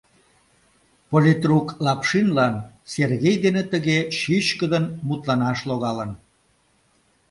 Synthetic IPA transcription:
polit̪ruklɑpʃinlɑnserɣejd̪enet̪əɣeʃyɕkəd̪ənmut̪lɑnɑʃloɣɑlən

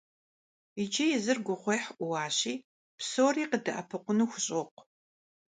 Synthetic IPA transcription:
id͡ʒijɛzɨrɡʷʊχʷejħʔʷʊwɑːɕiː | psoːriːqədɐʔɐpʰɨqʷʊnuːxʷʊɕʼoq̚ʷ

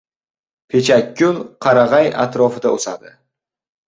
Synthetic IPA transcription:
pʰe̞t͡ʃʰakʲʰːʊnqʰɑɾaʁɑja̰t̪ɾɒfɪd̪aosa̰d̪ɪ

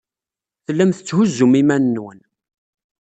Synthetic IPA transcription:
θəlːæmθət͡sːhʊzːʊmimænːwən

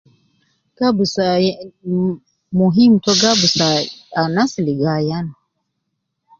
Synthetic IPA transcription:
ɡ̥abusa | muɦimtɔɡabusaanasiliɡajana

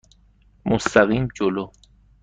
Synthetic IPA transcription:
most̪aɣiːmd͡ʒolo

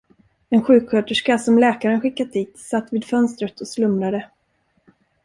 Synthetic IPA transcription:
ɛnɧʉ̟ːkhœːʈəʂkasɔmlɛːkaɾənɧɪkːat̪̚d̪iːt̪sat̪ːviːd̪̥fœnst̪ɾət̪ʰɔslɵmɾad̪ə

